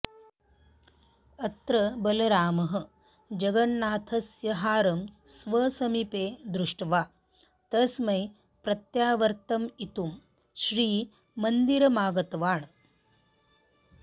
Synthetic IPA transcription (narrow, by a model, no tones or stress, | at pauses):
ɐt̪ɾɐbɐlɐɾaːmɐɦɐ̆ | d͡ʒɐɡɐnːaːt̪ʰɐsjɐɦaːɾɐm | sʋɐsɐmipeːd̪ɾuʂʈɐʋaː | t̪ɐsmɐj | pɾɐt̪jaːʋɐɾt̪ɐmit̪um | ʃɾiː | mɐnd̪iɾɐmaːɡɐt̪ɐʋaːɳ